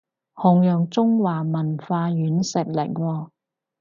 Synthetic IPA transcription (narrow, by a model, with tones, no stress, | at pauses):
hʊ˨ŋjœː˨ŋt͡sʊ˥ŋwaː˨mɐ˨˩nfaː˧jyː˨˥nsɪ˨˩k̚lɪ̰˨˩k̚wɔː˧